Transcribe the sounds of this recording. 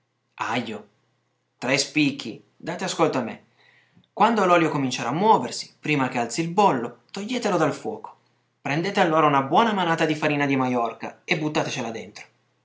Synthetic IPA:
ajːo | t̪ɾespikʰːi | d̪aːt̪easkolt̪oamːḛ | kwand̪olɔːljokomint͡ʃeɾaːmːuwɔːversi̥pɾiːmak̟ealt̪silbolːot̪oʎːeːt̪elod̪alfwɔ̰ːko̥ | pɾend̪eːt̪ealːoːɾaunabwɔːnamanaːt̪ad̪ifaɾiːnad̪imajɔrka̰ebːut̪ːaːt̪et͡ʃelad̪ḛnt̪ɾo̥

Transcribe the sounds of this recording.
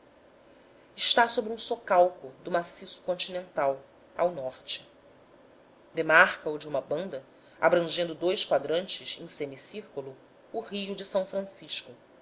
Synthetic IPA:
ɪʃt̪asobɾũsokawkʊd̪ʊmasisʊ̥kõnt͡ʃinẽnt̪aw | a̰wnɔɾt͡ʃɪ̥ | d̪emaɾkɐʊd͡ʒɪũmɐbɐ̃nd̪ɐ | a̰bɾɐ̃ʒẽnd̪ʊd̪ojʃkwad̪ɾɐ̃nt͡ʃɪzẽj̃semisiɾkulʊː | ɦijʊd͡ʒɪsɐ̃w̃fɾɐ̃siʃkʊ

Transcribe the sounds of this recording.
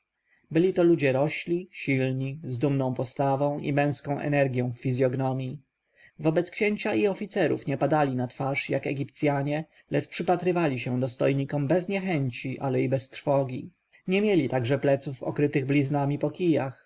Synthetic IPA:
bɘlʲit̪ɔlud͡ʑɛɾɔɕlʲiɕilɲizd̪umnɔ̃w̃pɔst̪avɔ̃w̃ʔḭmɛ̃w̃skɔ̃w̃ʔɛ̰nɛɾɡʲjɔ̃w̃fːʲizʲjɔɡnɔmʲji | vɔbɛt̪skɕɛɲt͡ɕaiɔfʲit̪sɛɾṵfɲɛpad̪alʲinat̪faʂjakɛɡʲipt̪sʲjaɲɛ | lɛt͡ʂpʂɘpat̪ɾɘvalʲiɕɛd̪ɔst̪ɔjɲikɔmbɛzɲɛxɛɲt͡ɕiʔalɛibɛst̪ɾfɔɡʲi | ɲɛmʲjɛlʲit̪aɡʐɛplɛt̪sufɔ̰kɾɘt̪ɘɣblʲiznamʲipɔkʲijax

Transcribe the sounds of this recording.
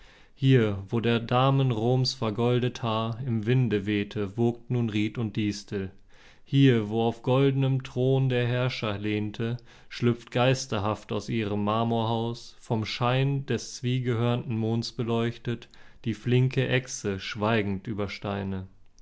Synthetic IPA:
hiːɐvoːdeːɐdaːmənʁoːmsfɛɐɡɔldəthaɪmvɪndəveːtʰəvok̚tnuːnʁiːtʊnt̚d̥iːstl̩ | hiːɐvoːaʊfɡ̥ɔldənəmtʁ̥oːndeːɐɦɛɐʃɐleːntʰə | ʃlʏp͡ft̚ɡ̥aɪstɐɦaftaʊsʔiːʁəmːaːmoɐhaʊsfɔmʃaɪndɛst͡sv̥iːɡəhøːɐntn̩moːnsb̥əlɔʏçtətd̥iːflɪŋkəʔɛksəʃv̥aɪɡŋ̩tʔyːbɐʃtaɪnə

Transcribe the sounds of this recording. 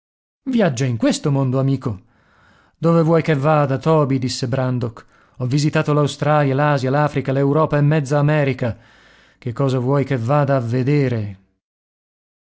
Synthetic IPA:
vjad͡ʒːaiŋkwest̪omond̪oamiːko | d̪ovevwɔjkevːaːd̪at̪ɔːbid̪isːebɾand̪ok | ɔvːizit̪aːt̪olawst̪ɾaːljalaːzjalaːfɾikalewɾɔːpaemːɛd̪zːaːmɛːɾika | k̟ekːɔːzavwɔjkevːaːd̪aːvːed̪eːɾe

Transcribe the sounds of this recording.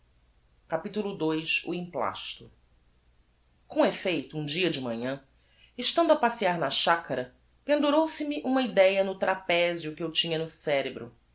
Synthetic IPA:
kapit̪ulʊd̪ojsṵĩpla̰ʃt̪ʊ | kõefejt̪ʊũd͡ʒiɐd͡ʒɪmɐ̃ɲɐ̃ | eʃt̪ɐ̃nd̪ʊɐpasiaɾnɐʃakɐɾɐ | pẽnd̪uɾowsɪmɪʔũmɐid̪ɛjɐnʊt̪ɾapɛzjʊkɪewt͡ʃĩɲɐnʊsɛɾebɾʊ̰

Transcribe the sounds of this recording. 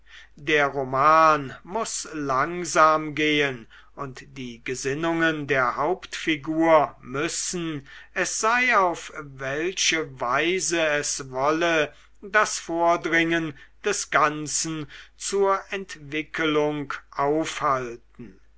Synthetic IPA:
deːɐʁomaːnmʊslaŋzaːmɡeːən | ʊntd̥iːɡəzɪnʊŋəndeːɐhaʊptfiɡuːɐmʏsn̩ɛsz̥aɪaʊfvɛlʃəvaɪzəɛsvɔlə | dasfoːɐdʁɪŋənd̥ɛsɡ̥ant͡sn̩t͡suːɐʔɛntv̥ɪkʰəlʊŋkʔaʊfhaltn̩

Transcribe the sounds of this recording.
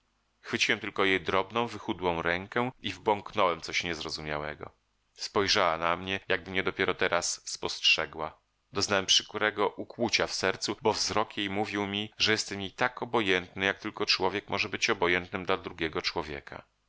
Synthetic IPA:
xfɘt͡ɕiwɛmt̪ɘlkɔjejd̪ɾɔbnɔ̃w̃vɘxud̪wɔ̃w̃ɾɛŋkɛivbɔŋknɔwɛmt̪sɔɕɲɛzɾɔzumʲjawɛ̰ɡɔ̰ | spɔjʐawanamɲɛjaɡ̚bɘmɲɛd̪ɔpʲjɛɾɔt̪ɛɾʔasːpɔstʂɛɡwa | d̪ɔznawɛmpʂɘ̥kuɾɛɡɔʔukwut͡ɕafsɛɾt̪subɔvzɾɔkjejmuvʲiwmʲiʐɛjɛst̪ɛmjit̪akɔbɔjɛnt̪nɘjak̚t̪ɘlkɔt͡ʂwɔvʲjɛkmʔɔʐɛbɘt͡ɕɔbɔjɛnt̪nɘmd̪lad̪ɾuɡʲjɛɡɔt͡ʂwɔvʲjɛ̰kʰa̰

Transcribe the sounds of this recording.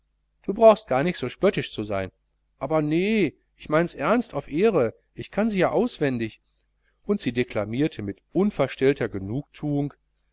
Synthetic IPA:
d̥uːbʁaʊxst̚ɡ̥aːɐnɪçtz̥oːʃpœtɪʃt͡suza̰ɪn | ʔaːbɐnə | ʔɪçmaɪnsʔɛɐnstaʊfʔeːʁə | ʔɪçkʰanziːjaːʔaʊsv̥ɛndɪç | ʔʊntz̥iːdekl̥amiːɐtʰəmɪtʔʊnfɛɐʃtɛltɐɡənuːk̚tʰuːʊŋ

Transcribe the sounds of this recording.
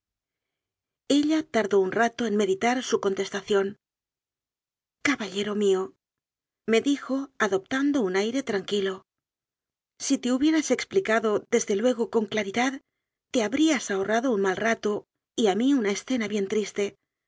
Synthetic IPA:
e̞ʎat̪aɾðo̞unrat̪o̞e̞nme̞ðit̪aɾsuko̞nt̪e̞st̪aθjo̞n | kaβaʎe̞ɾo̞mio | me̞ðixo̞aðo̞p̚t̪and̪o̞unajɾe̞t̪ɾaŋkilo̞ | sit̪e̞uβje̞ɾase̞ksplikaðo̞ðe̞zðe̞lwe̞ɣ̞o̞ko̞ŋklaɾiðað | t̪ːe̞aβɾiasaoraðo̞unmalrat̪o | iamiunae̞sθe̞naβje̞nt̪ɾist̪e̞

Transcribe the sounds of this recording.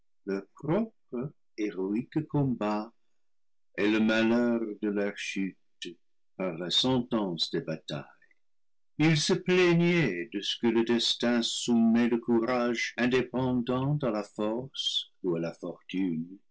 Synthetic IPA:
ləpʁɔp̚ʁə | eʁoikkɔ̃ba | eləmalœʁd̪əlœʁʃyt̪ | paʁlasɑ̃tɑ̃sd̪ebata̰j | ilsəplɛɲɛdəsə̥kələdɛstɛ̃sumɛləkuʁaʒɛ̃depɑ̃dɑ̃talafɔʁs | ualafɔʁtyn

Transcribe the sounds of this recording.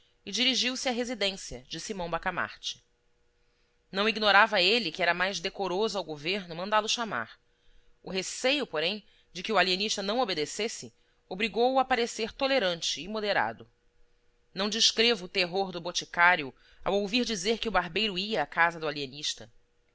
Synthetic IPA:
ɪd͡ʒiɾiʒiwsɪaɦezid̪ẽsiɐd͡ʒɪsimɐ̃w̃bakama̰ɾt͡ʃɪ̥ | nɐ̃w̃iɡnoɾavɐelɪkɪɛɾɐmajʒd̪ekoɾozʊawɡoveɾnʊmɐ̃nd̪alʊʃama̰ɾ | ʊɦesejʊpoɾẽj̃ | d͡ʒɪkɪualieniʃt̪ɐnɐ̃w̃obed̪esesɪ | obɾiɡowapaɾeseɾt̪oleɾɐ̃nt͡ʃɪːmod̪eɾa̰d̪ʊ | nɐ̃w̃d͡ʒiʃkɾevʊːt̪eɦoɾd̪ʊbot͡ʃikaɾjʊ | a̰wowviɾd͡ʒizeɾkɪʊbaɾbejɾʊiɐːkazɐd̪ʊalieniʃt̪ɐ

